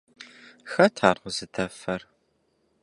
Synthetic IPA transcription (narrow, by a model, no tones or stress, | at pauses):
xɐtʰaːrʁʷəzɨtʰɐfɐr